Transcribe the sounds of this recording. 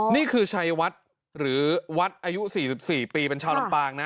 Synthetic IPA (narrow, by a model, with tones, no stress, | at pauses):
niː˥˩kʰɯː˧t͡ɕʰa˦˧˥jwa˦˥t̪̚ | ɾɯː˩˦wa˦˥t̪̚ʔaː˧ju˦˥siː˨˩si˨˩p̚siː˨˩piː˧pe˧nt͡ɕʰaː˧wla˧mpaː˧ŋna˦˥